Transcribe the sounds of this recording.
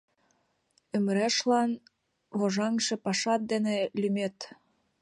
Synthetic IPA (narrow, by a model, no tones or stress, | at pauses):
ø̆mɾeʃlɑn | βoʒɑŋʃĕpɑʃɑt̪̚d̪enelymet̪